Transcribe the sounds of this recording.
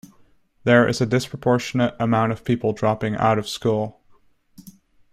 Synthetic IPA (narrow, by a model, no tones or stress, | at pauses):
ðə˞ʔɪ̰zɨdɪspʰɹ̥əpʰɔɹʃɨnɨɾəmãʊ̃ntʌv̥pʰipl̩ˠdɹɑpɪ̃ŋʔa̰ʊɾʌv̥skulˠ